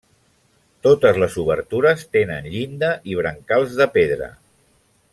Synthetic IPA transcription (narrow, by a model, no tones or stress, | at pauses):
t̪ot̪əzləzuβə̰ɾt̪uɾəst̪enənʎind̪əʔiβ̞ɾəŋkalˠzðəpeðɾə̰